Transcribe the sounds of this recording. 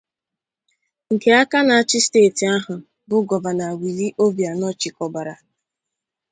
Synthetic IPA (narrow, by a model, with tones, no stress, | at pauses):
ŋ̩˨ke˨a˦ka˦na˨a˨t͡ʃɪ˦steː˦˨ti˨a˦ɦʊ˨ | bʊ˨ɡɔ˨ba˨na˨wi˨li˦ʔo˦bja˨nɔ˦t͡ʃɪ˨kɔ˨ba˨ɾa˨